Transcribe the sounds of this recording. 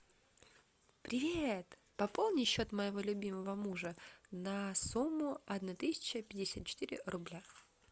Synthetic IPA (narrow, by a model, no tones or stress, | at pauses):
pɾʲɪvʲet̪ | pɐpo̞lˠnʲɪjɕːo̞t̪məjɪvo̞lʲʊbʲiməvəmuʐənɐsumːʊɐd̪nat̪ɨsʲɪ̥t͡ɕəpʲɪdʲɪsʲat̪̚t͡ɕɪ̥t̪iɾʲɪ̰rʊblʲa